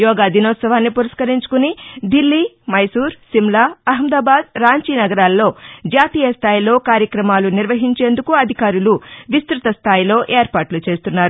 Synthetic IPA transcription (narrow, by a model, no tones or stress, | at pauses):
jɔːɡaːd̪inɔːt̪sɐʋaːnːipuɾɐskɐɾiɲt͡ʃu̥kunid̪ilːiː | mɐjsuːɾsimlaːɐɦɐmd̪aːbaːd̪̚ɾaːɲt͡ʃiːnɐɡɐɾaːlːo̞ːd͡ʒaːt̪iːjɐst̪ʰaːjilo̞ːkaːɾjɐkɾɐmaːluniɾʋɐɦiɲt͡ʃe̞ːnd̪ukuɐd̪ʱikaːɾuluʋist̪ɾut̪ɐst̪ʰaːjilo̞ːʔe̞ːɾpaːʈlut͡ʃe̞ːst̪unːaːɾu